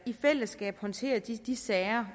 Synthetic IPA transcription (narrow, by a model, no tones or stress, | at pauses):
ifel̰əsɡ̥ɛ̰ːb̥hɒ̽nt͡sʰe̝̰ːɐd̥d̥isɛːɐ